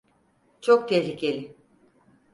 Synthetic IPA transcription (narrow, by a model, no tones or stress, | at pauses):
t͡ʃʰok̚t̪ʰɛɦɾicʰe̞lʲi